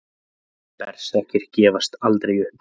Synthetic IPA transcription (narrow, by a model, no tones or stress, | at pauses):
pɛ̰ɾ̥sɛhcɪɾ̥cɛːvast̪alt̪ɾejʏhp